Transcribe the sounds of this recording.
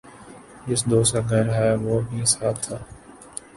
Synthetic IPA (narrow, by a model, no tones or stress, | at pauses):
d͡ʒɪsd̪oːsaɡʱəɾɦɛʋoːbʱiɪsaːb̚t̪ʰaː